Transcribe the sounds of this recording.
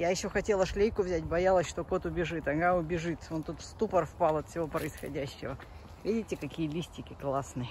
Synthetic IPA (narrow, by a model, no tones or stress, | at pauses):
jajɪɕːoxɐtʲelˠəʂlʲejkʊvzʲætʲbɐjalˠəsʲʂt̪oko̞t̪ʊbʲɪʐɨt̪ɐɡaʊbʲɪʐɨt̪o̞nt̪ut̪fst̪upərfpalˠɐt̪fsʲɪvo̞pɾəɪsxɐ̰dʲæɕːɪvə | vʲidʲɪtʲɪkɐkʲijəlʲisʲtʲɪkʲɪklˠasnɨjə